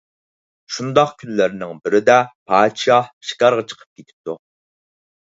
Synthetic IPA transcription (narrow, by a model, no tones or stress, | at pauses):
ʃund̪ɑqkʲʰynlɪɾnɪŋbɪɾɪd̪ɛpʰɑːt̪ʃɑhʃi̥kʲɑɾʁɑt͡ʃʰə̥qʰə̥p̚kʲet̪ʰɪ̥p̚t̪u